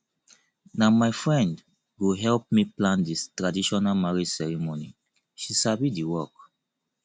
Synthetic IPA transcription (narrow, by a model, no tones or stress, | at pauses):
namaɪfɹɛ̃nd | ɡoɦɛlp̚miplãndistɹadiʃɔnalmaɹid͡ʒsɛɹimoni | ʃisabidiwɔk